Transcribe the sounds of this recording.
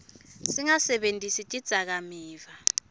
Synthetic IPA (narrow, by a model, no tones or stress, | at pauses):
siŋasɛɓentʼisitʼid̥z̥ʱak̬amiːva